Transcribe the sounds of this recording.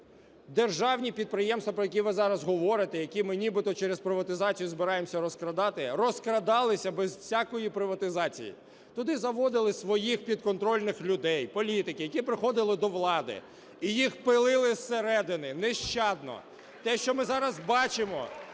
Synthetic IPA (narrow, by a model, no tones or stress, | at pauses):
d̪erʒɑwnʲipʲid̪̚pɾɪjɛmst̪ʋɐpɾɔjɐkʲiʋɪzɑɾɐzɦɔʋɔɾɪt̪ɛjɐkʲimɪnʲibɪt̪ɔt͡ʃeɛɾezpɾɪʋɐt̪ɪzɑt͡sʲijʊzbɪɾɑjemsʲɐɾɔskɾɐd̪ɑt̪ɪrɔskɾɐd̪ɑlˠɪsʲɐbɛzsʲakɔjipɾɪʋɐt̪ɪzɑt͡sʲḭjḭ | t̪ʊd̪ɪzɐʋɔd̪ɪlˠɪsʋɔjixpʲid̪kɔnt̪ɾɔlʲnɪxlʲʊd̪ɛjpɔlʲit̪ɪkɪjɐkʲipɾɪxɔd̪ɪlˠɪd̪ɔʋlˠɑd̪ɪ̰ | ijixpɪlˠɪlˠɪsːeɾɛd̪ɪnɪnɛʃt͡ʃɑd̪̚nɔ̰ | t̪ɛʃt͡ʃɔmɪzɑɾɐzbɑt͡ʃɪmɔ̰